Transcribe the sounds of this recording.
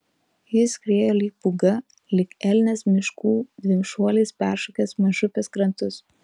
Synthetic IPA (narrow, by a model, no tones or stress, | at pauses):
jɪskɾʲeːjoːlʲiːpʊɡɐ | lʲɪkɛlʲnʲɛsmʲɪʃkuːd̪ʲʋʲɪmʲʃuɔlʲiːspʲæˑɾʃukʲɛsmɐʒʊpʲeskɾɐnt̪ʊs